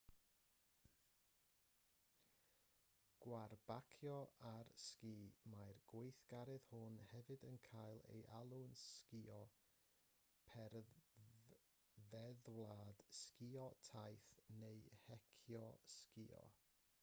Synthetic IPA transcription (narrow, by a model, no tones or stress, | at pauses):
ɡ̥warb̥akʰjɔarskiːmajrɡ̥wejθɡ̥aɾɛðhʊnhɛvɨdənkʰajlˠḛjʔalˠʊnskiɔ | pʰɛr | vɛðwlˠaːd̥skiɔtʰajθnejhɛkʰjɔskiɔ̰